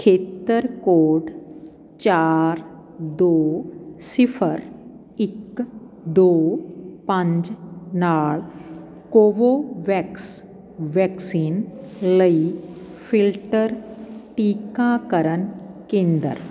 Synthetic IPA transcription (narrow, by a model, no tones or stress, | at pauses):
kʰeːt̪ːəɾkoːɖ | t͡ɕaːɾ | d̪osifʰəɾ | ikː | d̪opə̃ɲd͡ʒnaːɭ | koʋoʋɛks | ʋɛksiːnləi | fʰilʈəɾʈiːkãkəɾənkẽːnd̪ə̰ɾ